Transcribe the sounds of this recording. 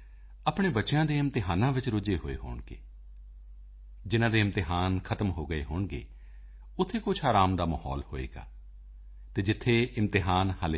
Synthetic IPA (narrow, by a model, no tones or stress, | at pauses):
aːpɳ̃eːbətːʃejãːd̪eːɪmt̪ɪɦaːnãːʋɪt͡ʃɾʊd͡ʒeːɦo̰ːḛːɦo̰ːɳɡḛː | d͡ʒɪnãːd̪eːɪmt̪ɪɦaːnkʰət̪əmɦoːɡəḛːɦoːɳɡḛː | ʊt̪ʰːeːkʊt͡ʃʰaːɾaːmd̪aːməɦɔ̰ːlho̰ːḛːɡa̰ː | t̪eːd͡ʒɪt̪ʰːeːʔɪmt̪ɪɦaːnhəl